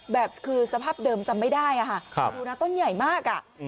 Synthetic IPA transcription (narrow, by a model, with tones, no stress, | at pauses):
bɛː˨˩p̚kʰɯː˧sa˧pʰaː˥˩p̚dɤː˧mt͡ɕa˧mːa˥˩jdaː˥˩jʔa˨˩kʰa˥˩kʰuː˧naː˧˥t̪o˥˩nja˨˩jmaː˥˩k̚ʔa˨˩ʔ